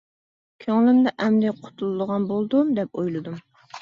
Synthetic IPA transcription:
kʲʰøŋlɪmd̪ɛʔɛmd̪ɪqʰo̥t̪ʰulˠɨd̪əʁɑnbolˠd̪umd̪ɛpojlˠɨd̪um

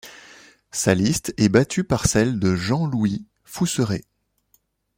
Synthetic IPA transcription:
salist̪ɛbat̪ʰypaʁsɛld̪əʒɑ̃lwi | fusəʁe

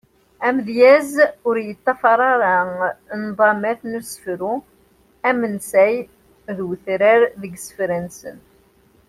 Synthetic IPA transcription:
æmðjæzʊɾjət̪ˤːɑfɑɾˤɑɾˤɑnðˤɑmæθnusə̥fɾu | æmənsæj | ðwθɾəɾðəɡsə̥fɾænsə̰n

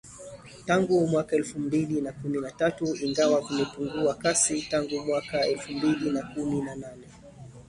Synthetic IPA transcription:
taŋɡumwakaɛlfumbilinakuminatatuiŋɡawakumɛpuŋɡuakasitaŋɡumwakaɛlfumbilinakuminananɛ

